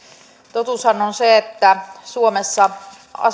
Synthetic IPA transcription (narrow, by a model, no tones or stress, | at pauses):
t̪ot̪usɑnonseet̪ːæsuomesːɑ | ɑ̰